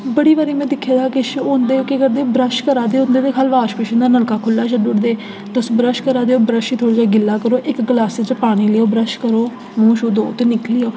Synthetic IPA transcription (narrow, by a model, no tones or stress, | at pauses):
bəɽiːʋaːɾiːmɛ̃ːd̪ɪkʰːjaːd̪aːkɪʃond̪eːoːkekəɾd̪eːbɾəʃkəɾaːd̪eːʊnd̪eːd̪eːkʰaːlʋaːʃpɪʃʊnd̪aːnəlkaːkʰʊlːaːʃəɖʊɽd̪eː | t̪osbɾəʃkəɾaːd̪eːoːbɾəʃiːt̪ʰoːɽiːd͡ʒaːɡɪlːaːkəɾoːʔɪkɡəlaːset͡ʃəpaːɽ̃iːleːoːbɾəʃkəɾoː | mõːʃuːd̪oːt̪eːnɪkliːoː